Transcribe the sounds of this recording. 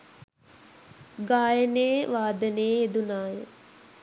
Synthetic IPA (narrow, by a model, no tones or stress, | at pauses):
ɡaːjəneːʋaːd̪əneed̪unaːjə